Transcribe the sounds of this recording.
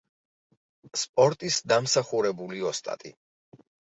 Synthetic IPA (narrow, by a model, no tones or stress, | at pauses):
spʼɔɾt̪ʼisd̪amsaχuɾɛbuliɔst̪ʼa̰t̪ʼḭ